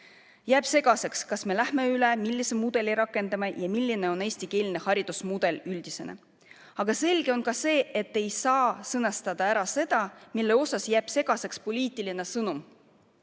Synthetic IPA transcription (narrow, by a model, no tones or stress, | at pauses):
jæːb̥se̞ɡ̥ɑse̞kskɑsme̞læhme̞ylemilʲːisemud̪̥e̞liɾɑkːˑe̞nd̪ɑmɑjɑmilʲːine̞o̞ne̞ːsʲt̪ike̞ːlʲine̞hɑɾid̪̥usmud̪̥e̞lyld̪̥ise̞nḛ | ɑɡ̥ɑse̞lʲɡ̥e̞o̞nkɑse̞ːʔet̪ːe̞jsɑːsɤnɑst̪ɑd̪̥ɑæɾɑse̞d̪̥ɑmilːe̞o̞sɑsjæːb̥se̞ɡ̥ɑse̞kspo̞liːt̪ˑiline̞sɤnum